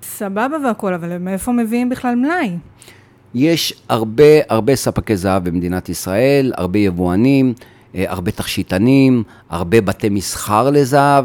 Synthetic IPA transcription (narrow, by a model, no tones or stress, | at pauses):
sababaveako̞lavalmeefomeviimbiχlalmlaj | je̞ʃaʁbe̞aʁbe̞sapakejzaavbemed̪inat̪isʁae̞la̰ʁbe̞jevuanim | a̰ʁbe̞t̪aχʃitanim | a̰ʁbe̞bate̞misχaʁle̞zaav